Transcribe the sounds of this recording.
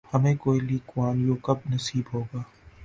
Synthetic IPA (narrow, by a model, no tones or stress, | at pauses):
hɐmẽːkoːiliːkwaːnjoːkɐbnɐsiːbɦoːɡaː